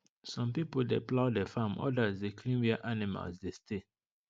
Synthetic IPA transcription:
sɔ̃mpipoldeplaʊdefãmʔɔ̰dazdekʰlĩmviaʔanima̰lsdestʰe

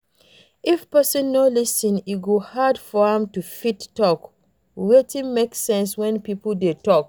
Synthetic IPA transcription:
ifpɜsɔ̃nːolisĩniɡohadfɔɛ̃mtufitːɔk | wetĩnmeksɛ̃nswɛ̃npipldetɔk

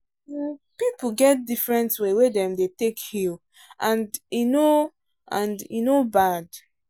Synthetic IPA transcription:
pipl̩ɡɛt̚difɹɛ̃ntwewedɛ̃mdetekhil | ʔãndino | ʔãndinobad̥

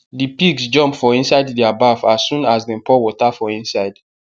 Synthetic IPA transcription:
dipiɡsd͡ʒɔ̃mpfɔĩnsaɪddiabavasːũnasdɛ̃npʰɔwɔtafɔĩnsaɪd

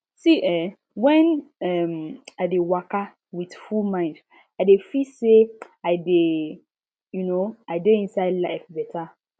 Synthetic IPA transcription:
siʔɛ | wɛ̃nɛmaɪdewaka | widfulmãɪ̃nd | adefise | aɪde | junoadeĩnsaɪdlafbɛtʰa

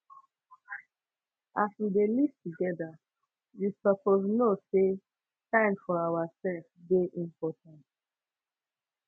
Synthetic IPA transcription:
aswidelivtuɡɛdə | wisəpoznose | tãɪ̃mfɔawasɛlfbeʔĩmpɔtãnt

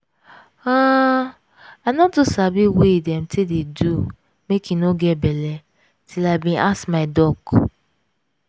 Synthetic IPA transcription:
a | anɔtusabiweidɛ̃mtʰededu | mekinoɡɛtbɛlɛ | tʰilaɪbĩnʔasmaɪdɔk

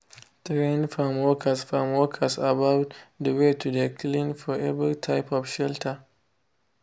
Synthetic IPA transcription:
tɾenfamokʰasfamokʰasabawtdəwetudeklinfɔʔɛbiitʰaɪpɔfʃɛltʰɐ

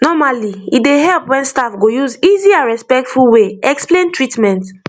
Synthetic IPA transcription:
nɔmaliideɦɛlpwɛ̃nstafɡojuziziãɹɛspɛk̚tfulweɛksplẽntʰɹitmɛ̃nt

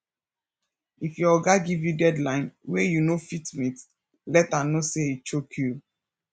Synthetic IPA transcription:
ifjɔɔɡaɡivjudɛdlãɪ̃nwejunofitmit | lɛtanoseit͡ʃokʰju

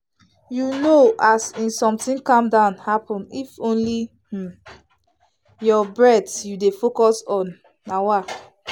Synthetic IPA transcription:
junoʔasĩnsɔ̃mtĩnkɔ̃mdãʊnhapɔ̃nifõnli | h̩ | jɔbɹɛtjudefokɔsɔ̃nː | awa

